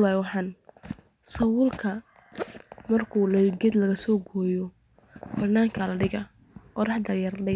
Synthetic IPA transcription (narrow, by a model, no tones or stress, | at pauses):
lajwɑħɑːn | sɐwʊlkʰɐ | mɐrkʰulɐjɡɛd̪lɐɣɐsɔːɡɔːjɔ | b̥ɐd̪naːŋkʰɐlɐɖɪɣɐ | qɔɾɑħd̪ɐjɐrlɐɖɪ